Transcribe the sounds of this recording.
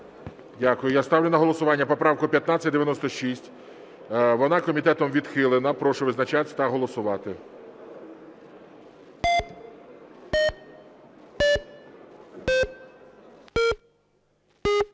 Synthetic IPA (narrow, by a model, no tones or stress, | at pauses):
dʲakʊjʊjast̪ɑʋwlʲɪnɐɦɔlˠɔsʊʋɑnʲːɐpɔpɾɑʋkʊpʲjɐt̪nɑt͡sʲɐt̪̚ʲd̪eʋjɐnɔst̪ɔʃisʲtʲ | ʋɔnɑkɔmʲit̪ɛt̪ɔmʋʲid̪xɪlˠenɐpɾɔʃʊʋɪznɐt͡ʃɑt̪ɪt̪ɐɦɔlˠɔsʊʋɑt̪ɪ